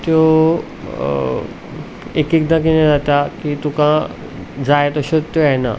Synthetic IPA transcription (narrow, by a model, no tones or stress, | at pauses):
t̪jo | ekikd̪akined͡zat̪akit̪ũkã | d͡zajt̪əɕət̪ːjana̰